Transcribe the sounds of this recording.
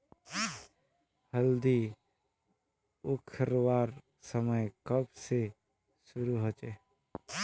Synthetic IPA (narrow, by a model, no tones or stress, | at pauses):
həld̪i | ʊkʰəɾwaːɾ | səməjkəbse | sʊɾuɦot͡ʃeː